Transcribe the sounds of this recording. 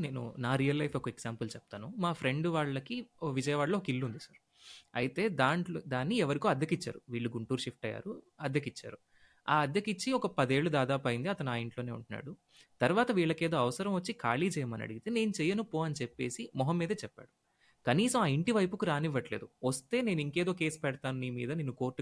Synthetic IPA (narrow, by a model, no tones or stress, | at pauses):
ne̞ːnṵnaːɾijɐlːɐjfʰɔkɐeɡsaːmpɐlt͡ʃɛp̚t̪aːnumaːpʰɾe̞ɳɖʋaːɭːɐkiʋid͡ʒɐjɐʋaːɭːoːɔkilːund̪isɐɾ | ɐ̰jit̪e̞ːd̪aːɳd̪aːnːiɛʋɐɾikoːɐd̪ʱjɐkit͡ʃːa̰ːɾuʋiːɭːuɡuɳʈuːɾʂifʰʈɐjːa̰ːɾuɐd̪jɐkit͡ʃːa̰ːɾu | aːɐd̪jɐkit͡ʃːiɔkɐpɐd̪e̞ːɭːud̪aːd̪aːpɐjind̪iɐt̪ɐnuaːiɳʈlo̞ːne̞ːṵɳʈunːa̰ːɽu | t̪ɐɾʋaːt̪ɐʋiːɭːɐke̞ːd̪o̞ːɐʋɐsɐɾɐmʋɐt͡ʃːikaːliːd͡ʒɛjɐmɐnɐ̰ɽiɡit̪e̞ːneːnut͡ʃɛjɐnupːoːɐnit͡ʃepːe̞̰ːsimɔɦɐmːiːd̪ɐt͡ʃɛpːa̰ːɽu | kɐniːsɐmaːiɳʈiʋɐjpukuɾaːniʋːɐʈle̞̰ːd̪uʋɐst̪e̞ːne̞ːnuiŋke̞ːd̪o̞ːke̞ːspɛɽɐt̪aːnuniːmḭːd̪ɐnenːuko̞ːɾʈːu